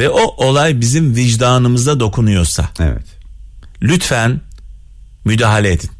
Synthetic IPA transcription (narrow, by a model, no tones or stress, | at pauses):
vɛʔo̞ʔo̞lˠajbizimviʒd̪aːnɯmɯzd̪ad̪o̞kʰunujo̞ɾsa̰ḛvɛ̰t̪ | lʲyt̪fæn | myd̪aːɦalʲeed̪in